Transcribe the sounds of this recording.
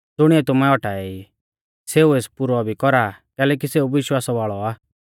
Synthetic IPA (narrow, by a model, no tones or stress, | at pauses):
d̪ʊɽ̃iɛt̪ʊmɛɔʈaːɛi | seːueːspuɾɔbʱikɔɾakɛːlɛːk̬iseːuʋɪʃwaːsaʋaːɭɔaː